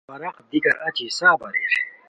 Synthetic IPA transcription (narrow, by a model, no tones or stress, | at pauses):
ɐɾɐqd̪ikɐɾʔɐt͡ɕisaːbɐɾḛɾ